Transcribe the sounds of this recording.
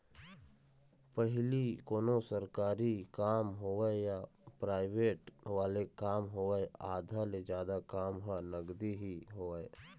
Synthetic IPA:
pəɦɪlikoːnosəɾkaːɾikaːmɦoːejapɾaːɪʋeːʈʋaːlekaːmɦoːeeaːd̪ʱaled͡ʒjaːd̪akaːmɦoanəɡd̪iɦiɦoːəe

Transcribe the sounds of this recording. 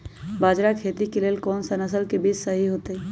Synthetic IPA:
baːd͡ʒɾakʰet̪ikeleːlkɔːnsənəsəlkebit͡ʃsəɦiɦot̪ə

